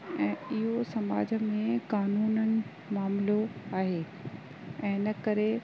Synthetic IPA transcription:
ɛ̃ːɪɦosɐma̰ːd͡ʑʱə̆mẽkaːnuːnənɪ̆ | maːmloaːɦeː | ɛ̃ːnɐkɐɾe

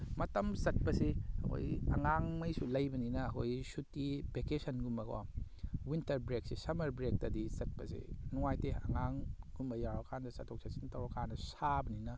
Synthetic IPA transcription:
mɐtɐmsɐt̚pɐsiɐ̰kʰo̰jɐ̰ŋaŋmɐjsulɐjbɐninɐːkʰojsutːibekesɐnɡumbɐɡo̰ | wintɐɾbɾek̚sisɐmɐɾbɾek̚tɐdisɐt̚pɐsḛnuŋajteɐ̰ŋaŋɡumbɐjawɐkʰandɐsɐtʰok̚sʰasintɐwɐkʰanɐsabɐninɐ

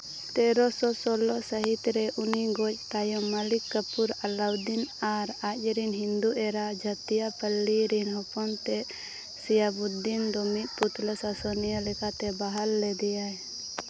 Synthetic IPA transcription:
t̪ɛɾɔsɔsɔlɔsəɦit̪ɾɛʔuniɡɔc̚t̪ajɔməlikːəpuɾalawd̪inaɾac̚ɾinɦind̪uʔɛɾad͡ʒat̪ijapəlːiɾinhɔpɔnt̪ɛʔ | sijabud̪ːind̪ɔmiʔ̪̚put̪ləsasɔnijəlɛkat̪ɛbaɦalːɛd̪ɛjaj

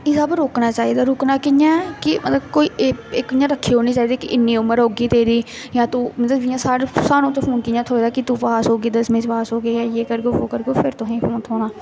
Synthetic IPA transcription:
ɪːsəbɾoːknaːt͡ʃaːiːd̪aːɾoːknaːkɪɲãːɛkɪmət̪ləbkoːiːeːekɪjãːɾəkʰːiːɦoːniːt͡ʃaːiːd̪iːkɪʔɪnːiːʊməɾɦoːɡiːt̪eːɾiː | jãːt̪uːmət̪ləbɪjãːsaːɽsaːnõːt̪epʰoːnkɪjãːt̪ʰoːd̪aːkɪt̪uːpaːsɦoːɡiːd̪əsmẽːd͡ʒʋaːsɦoːɡeːjãːjeːkəɾɡoːʋoːkəɾɡoːpʰɪɾt̪ʊɦẽːpʰoːnt̪ʰoːnãː

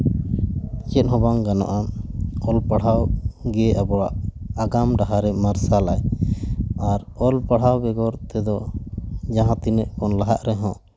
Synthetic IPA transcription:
t͡ʃɛt̪̚ɦɔbaŋɡanɔ̰ʔaɔlpaɽ̤awɡɛabɔɽaʔaɡamɖaɦaɾɛmaɾsalaj | aɾɔlpaɽ̤awbɛɡɔɾt̪ɛd̪ɔ | d͡ʒaɦãt̪inɛʔkɔnlaɦa̰ʔɾɛɦɔ̃

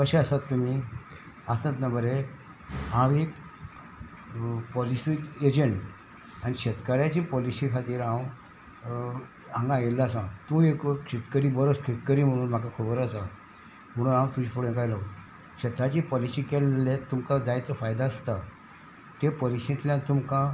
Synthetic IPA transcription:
kəɕeəsat̪ːum̤iː | asãt̪nabəɾe | ɦãʋek | pɔlisied͡ʑeɳʈ | aɽ̃iɕet̪kəɾjat͡ɕiːpɔlisikʰat̪iːɾãw | ãŋɡãjelasãt̪ũekkɕet̪kəɾiːbəɾot͡skʰet̪kəɾiːm̤əɽ̃uːnm̤akakʰubəɾasa | m̤əɽ̃uːnɦãwt̪ud͡ʑipuɽẽk̬ajlaw | ɕət̪at͡ɕipɔlisiːkelːet̪ːumkad͡zajt͡s̪əfajd̪aəst̪a | t̪epɔlisẽt̪ljãt̪umkã

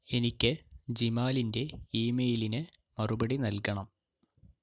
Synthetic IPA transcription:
e̞nikʲːɨd͡ʑimaːlinde̞iːmejilinɨmɐrubɐɽinɐlkɐɳɐm

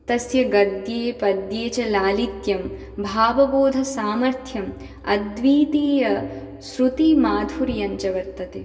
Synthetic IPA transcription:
t̪ɐsjɐɡɐd̪jeːpɐd̪jeːt͡ʃɐlaːlit̪jɐm | bʱaːʋɐboːd̪ʱɐsaːmɐɾt̪ʰjɐm | ɐ̰d̪ʋiːt̪iːjɐ | sɾut̪imaːd̪ʱuɾijɐɲt͡ʃɐʋɐɾt̪ːɐt̪e

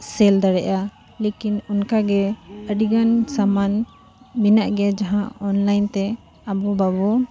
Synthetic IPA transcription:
sɛld̪aɽɛʔa | lekinunkaɡɛəɖiɡansaman | minaʔɡɛd͡ʒaɦãɔnlajnt̪ɛ | abɔbabɔ

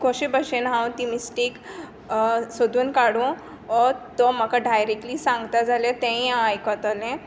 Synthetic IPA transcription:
kɔɕebəɕenɦãw̃t̪imisʈik | sod̪unkaɽũ | ɔɾt̪ɔmakaɖajɾek̚ʈliːsãŋɡt̪ad͡zaljet̪ẽĩãajkɔt̪ɔlẽ

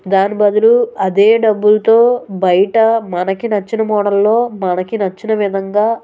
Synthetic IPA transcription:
d̪aːnibɐd̪ɐluɐd̪eːɖɐbːulɐt̪oːbɐjɐʈɐmɐnɐkinɐt͡ʃːinɐmɔːɽɐlːo̞ːmɐnɐkinɐt͡ʃːinɐʋid̪ʱɐŋɡaː

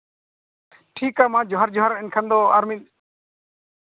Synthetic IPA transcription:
ʈʰikamãd͡ʒɔɦaɾd͡ʒɔɦaɾɛnkʰand̪ɔaɾmit̪̚

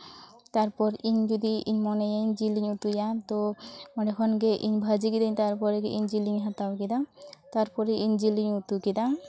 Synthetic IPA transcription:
t̪aɾpɔɾiɲd͡ʒud̪iʔiɲmɔnejaiɲd͡ʒiliɲut̪ujat̪ɔmanɛkʰɔnɡeʔiɲbʱad͡ʒikid̪aɲt̪aɾpɔɾeɡeʔiɲd͡ʒiliŋɦat̪awkid̪at̪aɾpɔɾeʔiɲd͡ʒiliɲut̪ukid̪a

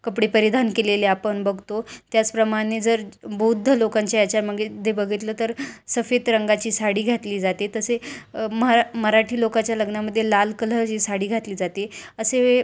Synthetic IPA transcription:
kəpɽepəɾid̪ʱankeleleapəɳbəɡʱt̪ot̪jat͡spɾəmaɽ̃ed͡zəɾbʱud̪ʱːəlokãɲt͡ɕaat͡ɕaɾm̤əɡed͡z̪ebəɡʱit̪lət̪əɾsəfet̪ɾəŋɡat͡ɕiːsaɽiːɡʱat̪liːd͡zat̪et̪əseməməɾaʈʰiːlokat͡ɕjaləɡɳaməd̪ʱːjelalkələd͡ʑiːsaɽiːɡʱat̪liːd͡zat̪eəsee

